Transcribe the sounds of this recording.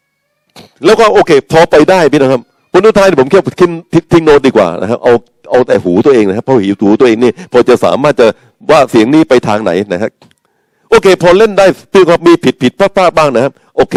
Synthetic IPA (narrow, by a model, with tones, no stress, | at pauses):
lɛː˦˥wkɔː˥˩ʔoː˧kʰeː˧pʰɔː˧pa˧jdaː˥˩jpʰiː˦˥˩na˧˦˥kʰa˦˥p̚ | kʰu˧nʔu˥˩t̪ʰaː˧niː˥˩pʰo˩˦mkʰːkʰi˧˥˩nt̪i˧t̪ʰi˧ŋnoː˦˥t̪̚diː˧kwa̰ː˨˩na̰˦˥kʰa˦˥p̚ʔa˧w | ʔa˧wt̪ɛ̰ː˨˩huː˩˦t̪u˧ɐʔeː˧ŋa˧˥kʰa˦˥pʰːɔː˧hiː˨˩˦t̪uː˩˦t̪u˧əeː˧ŋniː˥˩pʰɔː˧t͡ɕa˨˩sa̰ː˩˦maː˥˩t̪̚t͡ɕa˨˩ | waː˥˩si˨˩˦əŋniː˦˥˩pa˧jt̪ʰaː˧ŋna̰˩˦jna˦˥kʰa˦˥p̚ | ʔoː˧kʰeː˧pʰɔː˧le˥˩ndaː˥˩jʰiː˥˩˧kʰa˥p̚miː˧pʰi˨˩t̪̚pʰi˨˩˦t̪̚pʰaː˥˩pʰaː˥˩t̚baː˥˩ŋna˦˥kʰa˦˥p̚ʔoː˧kʰeː˧˩